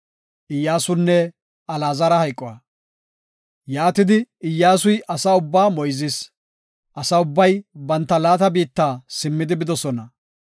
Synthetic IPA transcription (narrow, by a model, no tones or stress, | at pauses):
ʔɪjːaːsʊnːɛ | ɐlaːzɐɾɐhɐjkʼːɔwɐ̰ | jaːt̪ɪd̪ɪɪjːaːsʊjʔɐsaʊbːaːmɔjzɪs | ʔɐsɐʊbːɐjbɐnt̪ːɐlaːt̪ɐbiːt̪ːaːsɪmːɪd̪ɪbɪd̪ɔsɔnɐ